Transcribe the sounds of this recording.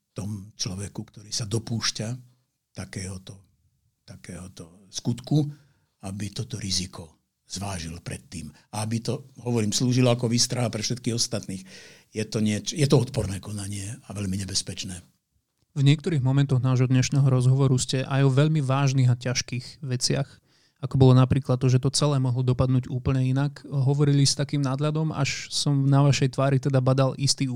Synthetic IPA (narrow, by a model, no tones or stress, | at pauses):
t̪ɔmt͡ʃlɔʋɛkukt̪ɔɾiːsad̪ɔpuːʃca | t̪akɛːɦɔt̪ɔ | t̪akɛːɦɔt̪ɔskut̪ku | abit̪ɔt̪ɔɾizikɔ | z̥ʋaːʒilpɾɛt̪ːiːm | aabit̪ɔɦɔʋɔɾiːmsluːʒilɔakɔʋiːst̪ɾaɦapɾɛfʃɛt̪kiɣɔst̪at̪niːxjɛt̪ɔɲɪɛt͡ʃɔjɛt̪ɔɔt̪̚pɔɾnɛːkɔnaɲɪɛaʋɛʎmiɲɛbɛspɛt͡ʃnɛː | vɲɪɛk̚t̪ɔɾiːɣmɔmɛnt̪ɔɣnaːʒɦɔd̪ɲɛʃnɛːɦɔɾɔzɦɔʋɔɾuscɛʔajɔʋɛʎmiʋaːʒniːɣacaʃkiːɣʋɛt͡sɪax | akɔbɔlɔnapɾiːklad̪ːɔʒɛt̪ɔt͡sɛlɛːmɔɦlɔd̪ɔpad̪nuːɟuːpl̩ɲɛinakɦɔʋɔɾilist̪akiːmnaːd̪ʎad̪ɔma̰ʃsɔmnaʋaʃɛjt̪ʋaːɾit̪ɛd̪abad̪alʔist̪iː